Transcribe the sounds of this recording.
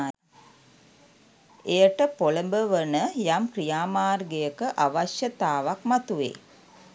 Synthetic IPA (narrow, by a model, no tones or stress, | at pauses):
ejəʈəpoləmbəʋənəjamkrijaːmaːrɡejəkəʔaʋaʃjət̪aːʋakmat̪uʋḛː